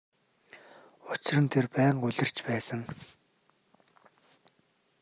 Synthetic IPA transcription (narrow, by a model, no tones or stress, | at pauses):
ʊt͡ɕɪrə̆nt̪ʰerpæːɴɢʊɮʲɪ̆r̥t͡ɕpæːsə̆ŋ